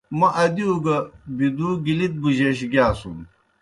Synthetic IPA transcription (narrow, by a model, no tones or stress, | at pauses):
mɐʔɐd̪iuɡɐbid̪uɡilit̪̚ɡuʑeɕ̬ɡjaːsum